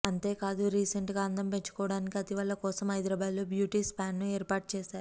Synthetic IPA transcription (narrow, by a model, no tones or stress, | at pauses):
ɐnt̪e̞ːkaːd̪uɾiːseɳʈɡaːɐnd̪ɐmpe̞ɲt͡ʃu̥kɔːʋɐɽaːnikiɐt̪iʋɐlːɐkɔːsɐmɦɐjd̪ɾɐːbaːd̪loːbjuːʈiːspaːnːueːɾpaːʈ̚t͡ʃɛːsaːɾu